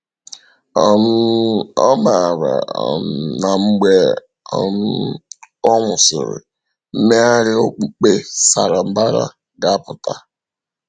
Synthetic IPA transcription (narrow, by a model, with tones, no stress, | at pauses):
m̩˦ɔ˦ma˨ɾa̰˨ | na˨ŋ͡m̩˦ɡ͡be˦ | ɔ˦m̩˦ | ɔ˦ŋʷʊ˨sɪ̰˨ɾɪ̰˨ | m̩˦me˦a˦ɾɪ˦o˦k͡pe˦sa̰˨ɾa˨m̩˨˦ba˦ɾa̰˦ | ɡa˨a˦pʊ˨ta˦